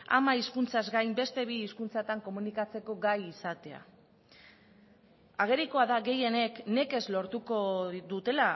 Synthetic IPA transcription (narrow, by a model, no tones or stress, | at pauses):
a̰maiskunt͡sazɡajmbe̞st̪e̞βiːskunt͡sat̪aŋko̞munikat͡se̞ko̞ɡajisat̪e̞a̰ | aɣ̞e̞ɾiko̞aðaɣe̞je̞ne̞kne̞ke̞zlo̞ɾt̪uko̞ðut̪e̞la